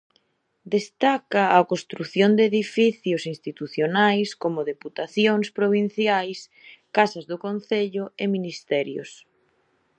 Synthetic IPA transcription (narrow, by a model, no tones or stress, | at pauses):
d̪est̪akɐːkost̪ɾuθjond̪eðifiθjʊsinst̪it̪uθjonajskomʊðeput̪aθjoŋspɾoβ̞in̟θjajs | kasɐzðʊkonθeʎʊeminist̪ɛɾjʊ̰s